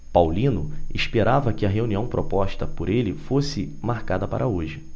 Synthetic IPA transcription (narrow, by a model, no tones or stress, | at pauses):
pawlĩnʊiʃpeɾavɐkɪɐɦeuniɐ̃w̃pɾʔopɔʃt̪ɐpoɾelɪfosɪ | maɾkad̪ɐpa̰ɾʔɐoʒɪ